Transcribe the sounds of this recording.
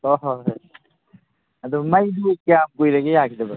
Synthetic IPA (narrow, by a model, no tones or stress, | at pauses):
ɔɦ | ɐd̪umɐjdukjamkojɾɐɡejakʰidɐbɐ